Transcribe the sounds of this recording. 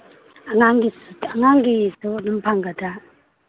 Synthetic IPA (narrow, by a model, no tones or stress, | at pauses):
aŋaŋɡisaŋaŋɡisɯnɯmpʰaŋɡada